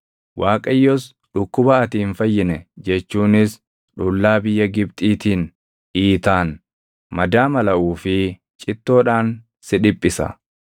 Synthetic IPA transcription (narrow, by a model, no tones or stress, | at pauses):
wʔaːkʼɐjːɔs | ɗʊkːʊbɐɐt̪iːnfɐjːɪnɛd͡ʒɛt͡ʃːuːnɪs | ᶑʊlːaːbɪjːɐɡɪbt̪ʼiːt̪iːn | iːt̪aːn | mɐd̪aːmɐlɐʔuːfɪ | t͡ʃʼɪt̪ːo̞ːᶑaːn | sɪᶑɪpʼːɪsɐ̰